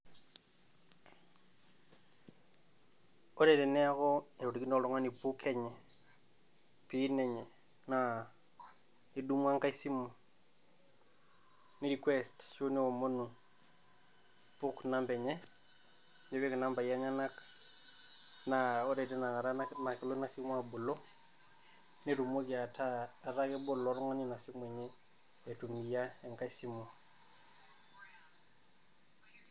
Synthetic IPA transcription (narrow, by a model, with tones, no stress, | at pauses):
oɾe˨te˨ne˦a˦ko˦e˨ɾo˨te˨ki˦no˨lo˦ŋa˦ni˨pu˦kʰe˦ɲe˨ | pi˦ne˨ɲe˨ | na˨ | i˨du˦m˦a˦ŋka˦i˦si˦mu˨ | ni˦ɾi˨kwe˦stt͡ʃu˦ne˦o˨mo˦nu˨ | pu˦kna˦mbɛ˨ɲe˦ | ne˦be˦kna˦mba˨ija˦ɲa˦na˦k | na˨o˦ɾe˨te˦na˨ŋa˨ɾa˦na˨ke˨lo˦na˦si˦kmwa˨bu˨lo˦ | neɾu˨mo˦ɡia˨tʰaː˦˨ɾa˦ke˦bo˦lo˨ɾŋo˦ni˦na˨si˦m˨e˨ɲe˦ | e˨tu˨mi˨ja˦e˨ŋka˦isi˦mu˨